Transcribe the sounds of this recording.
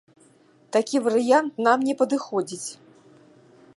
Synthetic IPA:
t̪akʲivɐɾɨjant̪namnʲɛpɐd̪ɨxɔd͡zʲit͡sʲ

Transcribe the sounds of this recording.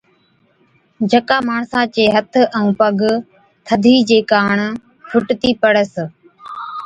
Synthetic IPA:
d͡ʒʱəkaːmaːɳsãːt͡ʃeːɦət̪ʰə̃ũːpəɡ | t̪ʰəd̪ʱiːd͡ʒeːkaːɳ | fʰʊʈt̪iːpəɽəs

